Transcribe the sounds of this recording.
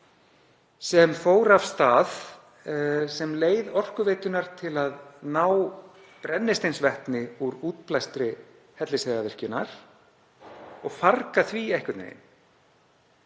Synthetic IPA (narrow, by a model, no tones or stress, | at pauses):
sɛmfoːwɾav̥st̪aːð | sɛmleːjðɔr̥kʏveːjt̪ʏnaɾ̥t̪ʰɪlaðnaːw | pɾɛnːɪst̪ejnsvɛht̪nɪuɾuːt̪plajst̪ɾɪ | hɛt̪lɪsɛðavɪr̥cʏnaɾ̥ | ɔɣfarkaθviɛhkʏt̪nḛjn